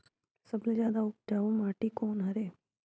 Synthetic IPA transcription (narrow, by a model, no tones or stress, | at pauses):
sɐbled͡ʒjaːd̪aʊkd͡ʒaːõmaːʈikoːnɦɐɾeː